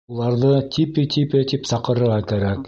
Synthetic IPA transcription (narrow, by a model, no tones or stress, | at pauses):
ulˠɑɾðɤt̪ʲʰipɘt̪ʲipɘt̪ipsɑqɤ̆ɾɤ̆ɾʁɑkæɾæk